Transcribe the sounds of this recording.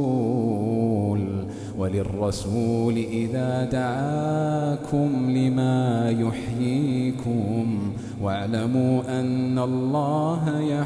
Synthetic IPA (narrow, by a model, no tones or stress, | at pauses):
l | walɪrˤːɑsuːlɪʔɪðaːd̪aʕaːkʰʊmlɪmaːjʊħjiːkʊm | waʕlamuːʔanːalˤːɑːɦaja